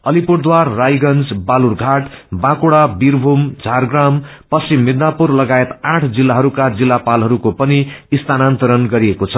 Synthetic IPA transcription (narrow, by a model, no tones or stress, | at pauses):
ʌlipuɽd̪warːajɡʌnd͡zbalurɡʱaʈbãkuɽabirbʱumd͡zʱarɡram | pʌsimːid̪napurlʌɡaet̪ãʈʰd͡zilːaɦʌɾukad͡zilːapalɦʌɾukopʌniːst̪anant̪ʌɾʌnɡʌɾiekot͡sʰʌ